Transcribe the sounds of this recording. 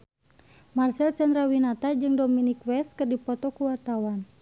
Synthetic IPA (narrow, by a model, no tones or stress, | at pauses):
marsɛlt͡ʃand̪ɾawinat̪ad͡ʒɨŋdɔminikwɛs̚kɨrdipɔt̪ɔkuwart̪awan